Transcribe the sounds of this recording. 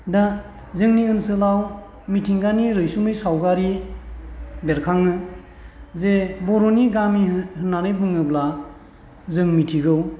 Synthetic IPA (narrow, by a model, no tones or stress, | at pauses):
da | zɯŋniɯnsɯlaw | mitʰiŋɡaniɾɯjsumɯjsawɡaɾi | beɾkʰaŋɯ | zebɔɾoniɡamihɯnanɯjbɯŋɯbla | zɯŋmitʰiɡɯw